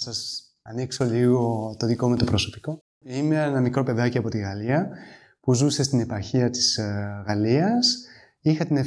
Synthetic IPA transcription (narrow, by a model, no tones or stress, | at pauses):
sɐs | ɐnikso̞liɣo̞t̪o̞ðiko̞me̞t̪opɾoso̞pi̥ko̞ | imeenɐmikɾo̞pe̞ðɐciɐpo̞t̪iɣɐliɐ | puzuse̞st̪ine̞pɐɾçiɐt̪i̥sɣɐliɐs | ixɐt̪ine